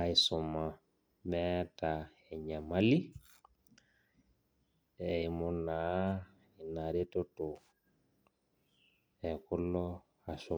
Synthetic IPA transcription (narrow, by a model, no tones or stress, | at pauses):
aisɔmːa | mɛta | ɛɲamali | ɛimɔnːa | inaɾɛtɔtɔ | ɛkɔlːɔ | asɔ